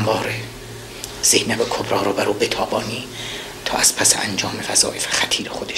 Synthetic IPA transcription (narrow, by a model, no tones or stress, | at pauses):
mbɒːɾe | z̥ehnæbekʰobɾɒːɾobæɾuːbet̪ʰɒːbɒːniː | t̪ʰɒ̰ːʔæz̥pʰæsḛʔæ̰nd͡ʒɒːmevæzɒ̰ːʔefe̥xæt̪ʰiːɾexod̪eʃ